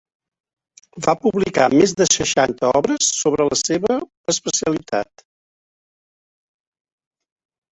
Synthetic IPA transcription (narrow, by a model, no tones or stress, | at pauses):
bapuβlika̰mezðəsəʃant̪əɔβɾəsːoβɾələseβəː | spəsiəlit̪a̰t̪